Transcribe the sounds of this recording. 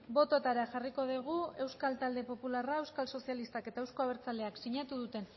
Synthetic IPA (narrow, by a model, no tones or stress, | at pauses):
bo̞t̪o̞t̪aɾaʝariko̞ðiɣ̞ue̞wskalt̪ald̪e̞po̞pularae̞wskalso̞sialist̪ake̞t̪ae̞wsko̞aβ̞e̞ɾt͡sale̞aksiɲat̪uðut̪e̞n